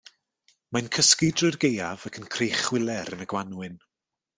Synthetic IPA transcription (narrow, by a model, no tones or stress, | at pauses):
mankʰəskɪdrʊrɡejavakʰənkʰrejχwɪlˠɛɾənəɡwanwɨn